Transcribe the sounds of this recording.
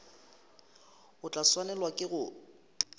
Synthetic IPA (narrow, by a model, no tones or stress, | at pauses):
ʊt͡ɬʼaswanɛlwakʼɪɣʊ